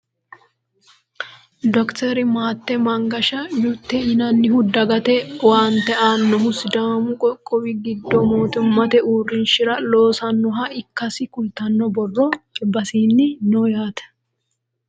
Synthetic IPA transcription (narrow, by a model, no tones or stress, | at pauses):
d̪ɔkt̪ɛɾɪmaːt̪ːɛmɐŋɡɐʃɐjut̪ːɛjɪnɐnːɪhʊd̪ːɐɡɐt̪ɛwaːnt̪ɛʔaːnːɔhʊsɪd̪aːmʊkʼɔkʼːɔwɪɡɪd̪ːɔmoːt̪ʊnmɐt̪ɛuːrːɪnʃɪɾɐlo̞ːsɐnːɔɦɐɪkːɐsɪkʊlt̪ɐnːɔbɔrːɔɪbːɐsiːnːɪnojaːt̪ɛ̥